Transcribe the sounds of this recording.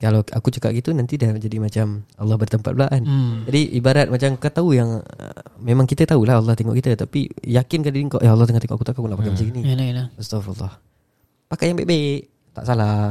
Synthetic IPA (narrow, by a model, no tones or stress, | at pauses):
kalaa̰kut͡ʃəka̰ʔ̚ɡit̪unant̪idald͡ʒadimat͡ʃamɑlːɑhbərt̪əmpa̰t̪̚blaʔand͡ʒadiʔibaɾat̪̚mat͡ʃamkət̪aujaŋ̰ | memaŋkit̪ət̪aulaɑlːɔht̪eŋɔ̰ʔkit̪ət̪apijakɪnkadidiŋkɔʔaalːɔht̪əŋat̪eŋɔ̰ʔakut̪akakunaʔpakamat͡ʃaɡinillaəst̪ɔfɑlːɑ̰h | pakajaŋbḛʔbaʔ | t̪a̰ʔsala